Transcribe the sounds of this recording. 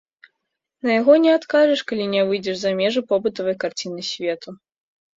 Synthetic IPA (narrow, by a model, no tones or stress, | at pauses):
nɐjaɣɔnʲɛat̪kaʐɨʂkalʲinʲɛvɨjd͡zʲɛʂzamʲɛʐɨpɔbɨt̪ɐvɐjkart͡sʲinɨsʲvʲeɛt̪u